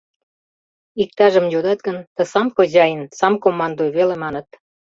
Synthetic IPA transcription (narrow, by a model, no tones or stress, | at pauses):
ik̚t̪ɑʒə̆mjod̪ɑt̪̚ɡənt̪ə̆sɑmxoʑɑjənsɑmkomːɑnd̪ojβelemɑnə̆t̪̚